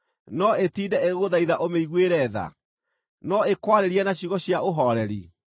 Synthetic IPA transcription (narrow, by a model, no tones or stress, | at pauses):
nɔetiːdɛeɣoðaiðaʔomeiɣweɾɛða̰ | nɔekwaɾeɾiɛnaɕiɣɔɕjaoɦɔɾɛɾi